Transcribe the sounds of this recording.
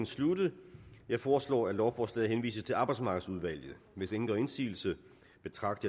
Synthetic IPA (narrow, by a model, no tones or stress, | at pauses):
n̩slud̥əð̩ˠjɑ̈ɪfɒːslɒ̰ːælɒʊfɒːslɛ̰ɪɦenʋḭːsət͡sʰe̝ɑ̈ːb̥ɑ̈ɪdsmɑ̈ːɡ̥ð̩ˠsuð̞ˠʋæl̰jð̩ˠ | ʋe̝seŋn̩d̥ʁɒe̝nsḭːl̩sə | b̥e̝t͡sʰʁɑ̈ɡ̥̚d̥